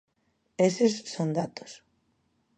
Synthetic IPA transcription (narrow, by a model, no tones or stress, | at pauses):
esesːond̪at̪o̥s